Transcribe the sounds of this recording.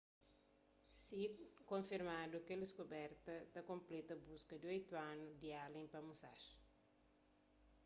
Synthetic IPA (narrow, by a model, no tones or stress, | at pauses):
sikõɱfiɾmad̪ukeldɪskubɛɾt̪ɐt̪ɐkõmplɛt̪ɐbuskɐd̪iojt̪uanud̪ialẽpɐmusaʃ